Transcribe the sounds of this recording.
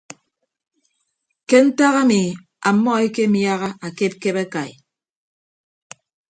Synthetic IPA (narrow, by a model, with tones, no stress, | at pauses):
ke˦n̩˦ta˦ɣa˦mi˨ | a˨mːɔ˦e˦ke˦mja˦ɣa˦ʔa˨ke˦p̚ke˦ba˦ka˨jḭ˨